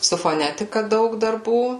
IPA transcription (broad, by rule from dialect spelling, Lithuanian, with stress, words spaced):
sʊ foːˈnʲæːtʲɪkɐ ˈdɐʊk dɐrˈbuː